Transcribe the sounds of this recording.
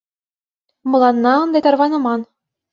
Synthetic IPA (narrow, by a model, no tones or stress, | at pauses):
mɤ̆lˠɑnːɑɤ̆nd̪ɑt̪ɑrʋɑnɤ̆mɑn